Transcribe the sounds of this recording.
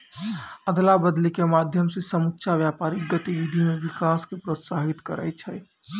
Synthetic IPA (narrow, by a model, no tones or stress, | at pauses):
əd̪labəd̪likemad̪ʱjəmsesəmukʃʰaʋjapaːɾiɡət̪iʋid̪ʱimeʋikaskepɾot̪saːɦit̪kəɾə̰t͡ʃʰə